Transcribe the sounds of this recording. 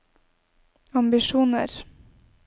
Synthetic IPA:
ɑmbɪʃuːnə̰ɾ

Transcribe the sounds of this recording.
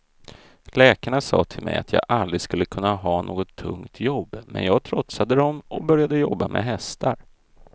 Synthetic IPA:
lɛːkaɳasɑ̰ːt̪ʰɪlmɛ̰jat̪ʰjɑ̰ːɡʔald̪ɾɪskɵlːəkʰɵnːaɦɑːnʔoːɡɔt̪ʰːɵ̰ŋt̪jɔbːmɛ̰njɑːɡ̚t̪ʰɾɔt̪sad̪əd̪ɔmʔɔbœɾjad̪əjɔbːamʔɛ̰ɦɛst̪ʰaɾ

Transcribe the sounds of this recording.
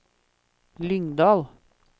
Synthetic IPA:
lʏŋd̪ɑːl

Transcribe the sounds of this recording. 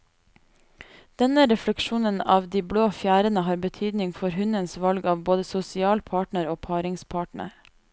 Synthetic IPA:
d̪̥ɛnəɾɛfləkʃuːnənɑːʋd̪iːbloːfjæːɾənəhɑːɾbət̪ʰyːd̪nɪŋfɔɾhʉnənsʋɑlɡɑːʋboːd̪əsʊsɪɑːlpʰɑːʈɳəɾoːpʰɑːɾɪŋspʰɑːʈɳə̰ɾ

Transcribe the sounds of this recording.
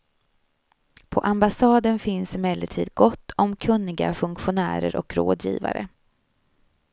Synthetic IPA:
pʰɔʔambasɑːd̪ənfɪnsɪmɛlːəʈʰḭːd̪̚ɡɔt̪ːɔmkʰɵnːɪɡa̰fɵŋkɧʊnæ̰ːɾəɾʔɔkɾo̰ːd̪jḭːva̰ɾə

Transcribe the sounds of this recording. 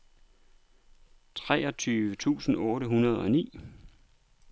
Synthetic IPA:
t͡sʰʁɛːɒ̽t͡sʰyːʋət͡sʰṵːsn̩ɔːɾəɦunɐð̞ˠɒ̽nḭː

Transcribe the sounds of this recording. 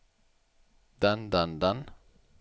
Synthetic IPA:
d̪and̪and̪an

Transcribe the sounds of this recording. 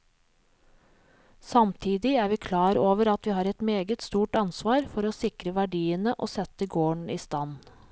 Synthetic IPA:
sɑmt̪ʰiːd̪ɪæːɾʋiːkʰlɑːɾoːʋəɾɑt̪ʋiːhɑːɾɛt̪meːɡət̪st̪uːʈɑnsʋɑːɾfɔɾoːsɪkɾəʋæɖiːənəʔo̰ːsɛt̪əɡoːɳiːst̪ɑn

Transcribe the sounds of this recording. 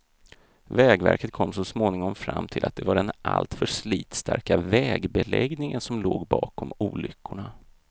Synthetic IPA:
vɛːɡvæ̰ɾkət̪̚kʰɔmːsɔsmoːnɪŋɔmfɾamːt̪ʰɪlat̪̚d̪ɛvaɖɛnʔalt̪fœʂliːt̪st̪ʰaɾkavɛːɡbɛlɛɡnɪŋənsɔmloːɡbɑːkʰɔmuːlʏkʰːʊɳa

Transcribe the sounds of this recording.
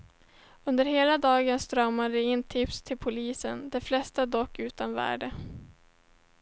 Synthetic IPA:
ɵnd̪əɾheːlad̪ɑːɡənst̪ɾœmad̪əɪnt̪ʰɪpst̪ʰɪlpʰʊliːsənd̪ɛflɛst̪ad̪ɔkːʉ̟ːt̪anvæ̰ːɖə

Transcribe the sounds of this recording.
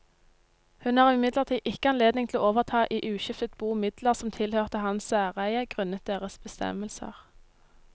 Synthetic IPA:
hʉnæːʁɪɪmɪd̪ləʁt̪ʰiːʔɪkəɑnleːd̪nɪŋt̪ʰloːoːʋəʁt̪ʰɑːʔiːʔʉːʃɪft̪ət̪̚buːmɪd̪ləʁsɔmt̪ʰɪlhøːʁt̪əhɑnsæːʁæɪəɡ̥ʁʉnət̪̚d̪eːʁəsbəst̪ɛ̰məlsə̰ʁ

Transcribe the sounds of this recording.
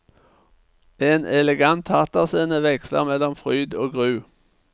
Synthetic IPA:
eːnɛlɛɡant̪hɑt̪əʁsiːnəʋɛkslə̰ʁmɛlːɔmfʁyːd̪oːɡʁʉː

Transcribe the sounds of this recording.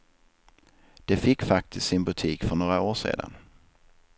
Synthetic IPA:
d̪̥ɛfɪkːfak̚t̪ʰɪst̪sɪnbɵt̪ʰiːkfœɳoːɾaoːʂḛːd̪a̰n

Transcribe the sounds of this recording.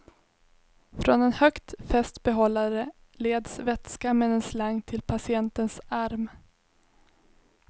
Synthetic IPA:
fɾɔnɛnhœkt̪fɛst̪bɛɦɔlːaɾə | leːd̪svɛt̪skamɛd̪ɛnslaŋt̪ʰɪlpʰasɪɛnt̪ənsaɾm

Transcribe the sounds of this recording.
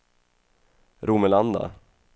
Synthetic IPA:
ɾuːməland̪a̰

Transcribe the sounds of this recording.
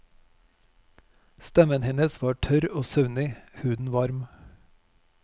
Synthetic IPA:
st̪ɛmənhɛnəsʋɑːʈʰœɾoːsœʉnɪhʉːd̪n̩ʋɑɾm

